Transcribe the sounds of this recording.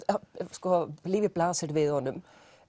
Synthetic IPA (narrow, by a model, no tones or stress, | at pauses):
skɔliːvʋɪplaːsɪɾʋɪðhɔnːʏm